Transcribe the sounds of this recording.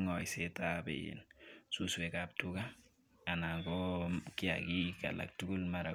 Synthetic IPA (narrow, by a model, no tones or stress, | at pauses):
ŋɔjsetabḛjḛnsuswɛkap̚tuka | anaŋɡɔkia̰kika̰la̰k̚tuɡulmaɾa